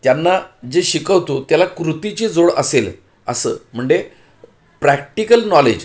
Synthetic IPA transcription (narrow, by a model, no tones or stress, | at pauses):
t̪janːad͡ʑeɕikəʋt̪ot̪jalakɾut̪it͡ɕiːd͡zoɽəsel | ə̰sə̰ːm̤əɳd͡ʑe | pɾæk̚ʈikəlnɔlḛd͡ʑ